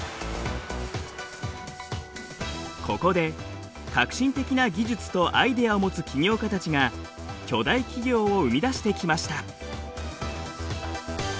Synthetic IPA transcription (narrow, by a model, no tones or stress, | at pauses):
kʰo̞ko̞d̪e̞ | kakɯ̥ɕĩnt̪e̞kʲinaɡʲiʑɨt͡sɨ̥t̪o̞ʔaid̪e̞aomo̞t͡sɨkʲʰiɲʲo̞ːkat̪at͡ɕiŋa | kʲo̞d̪aikʲiɡʲo̞ːoɯ̟mʲid̪aɕi̥t̪e̞kʲimaɕi̥t̪a